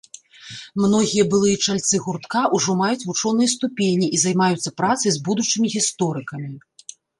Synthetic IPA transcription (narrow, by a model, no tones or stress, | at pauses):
mnɔɣʲijɐbɨlˠɨjɐt͡ʂalʲt̪sɨɣurt̪kaʔuʐɔmajut͡sʲvut͡ʂɔnɨjɐst̪upʲenʲiʔizajmajut̪sːɐpɾat̪sɨjzbud̪ut͡ʂɨmʲiɣʲist̪ɔɾɨkɐmʲi